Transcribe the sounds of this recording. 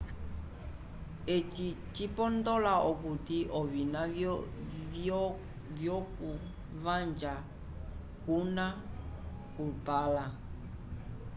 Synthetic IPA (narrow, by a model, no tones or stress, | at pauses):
et͡ʃi | t͡ʃipɔndɔlaʔɔk̬utiʔɔvina | v | vjɔku | vand͡ʒa | kuna | kupala